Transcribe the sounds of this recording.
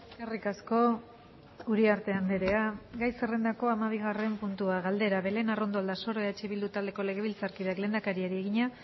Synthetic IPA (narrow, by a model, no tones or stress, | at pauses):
erikasko̞ | uɾiaɾt̪e̞and̪eɾe̞aɡajsere̞nd̪ako̞amaβ̞iɣare̞mpunt̪uaɣald̪e̞ɾaβe̞le̞naro̞nd̪o̞ald̪aso̞ɾoeat͡ʃe̞βild̪ut̪ald̪e̞ko̞le̞ɣ̞e̞βilt͡saɾkiðekle̞nd̪akaɾieɾieɣiɲa